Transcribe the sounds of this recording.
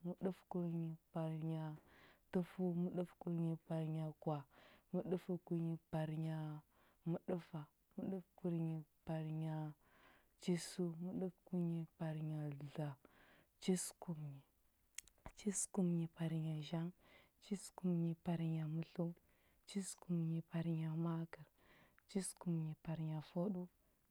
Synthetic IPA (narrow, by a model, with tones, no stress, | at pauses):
mu˦ɗu˦fku˦ɾɲi˨pa˨ɾɲa˨tu˦fu˦mu˦ɗu˦fku˦ɾɲi˨pa˨ɾɲa˨kwa˨mu˦ɗu˦fu˦ku˦ɲi˨pa˨ɾɲa˨ | mu˦ɗu˦fa˨ | mu˦ɗu˦fku˨˦ɾɲi˨pa˨ɾɲa˨ | t͡ʃi˦su˦mu˦ɗu˦fku˦ɲi˦˨pa˨ɾɲa˨ɮa˨ | t͡ʃi˦sku˨mɲi˨ | t͡ʃi˦sku˨mɲi˨pa˨ɾɲa˨ʒa˦ŋ | t͡ʃi˦sku˨mɲi˨pa˨ɾɲa˨mu˦ɬu˦ | t͡ʃi˦sku˨mɲi˨pa˨ɾɲa˨ma˦kə˨ɾ | t͡ʃi˦sku˨mɲi˨pa˨ɾɲa˨fo˦ɗu˦